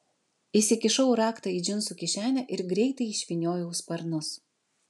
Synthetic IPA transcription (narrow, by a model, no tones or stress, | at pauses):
isʲɪkʲɪʃɐʊɾɑːkt̪ɑid͡ʒʲɪnsukʲɪʃʲæːnʲɛʔɪɾɡɾʲɛɪt̪ɐɪɪʃʲʋʲɪnʲoːjɛʊspɐɾnʊs